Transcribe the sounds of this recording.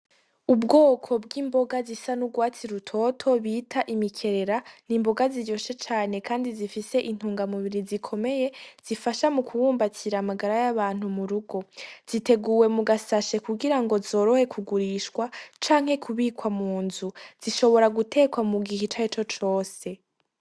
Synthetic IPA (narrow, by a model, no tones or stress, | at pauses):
ubɡo̞ːkʰo̞bɡiːmbo̞ɡazisanuɡwaːt͡siɾutʰo̞tʰo̞βiːtʰaʔimikʰe̞ɾe̞ɾaniːmbo̞ɡazijo̞ʃe̞t͡ʃaːne̞kʰaːndizifise̞ʔin̥huːŋɡamuβiɾizikʰo̞me̞je̞z̥ifaʃamukʰuwuːmbatʰiɾamaɡaɾajaβaːn̥humuɾuɡo̞z̥ite̞ɡuwe̞muɡasaʃekuɡiɾaŋɡo̞zo̞ːɾo̞he̞kʰuɡuɾiːʃkwat͡ʃaːŋhe̞kʰuβiːkwamuːnzuz̥iʃo̞βo̞ɾaɡutʰe̞ːkwamuɡihit͡ʃait͡ʃo̞t͡ʃo̞ːse̞